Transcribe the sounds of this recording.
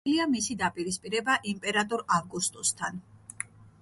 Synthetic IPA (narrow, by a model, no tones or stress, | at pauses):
liamisid̪apʼiɾispʼiɾɛbaʔimpʼɛɾat̪ʼɔɾavɡust̪ʼɔst̪ʰan